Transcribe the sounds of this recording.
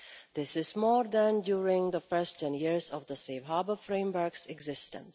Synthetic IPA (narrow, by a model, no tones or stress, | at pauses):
ðɪsɪzmɔɾd̪æ̃ndjuɹɪ̃ŋðəfɜ˞stʰɛ̃njiɹzɔvðəsevɦɑbəfɹẽɪ̃mwə˞ksɛɡzɪstə̰̃ns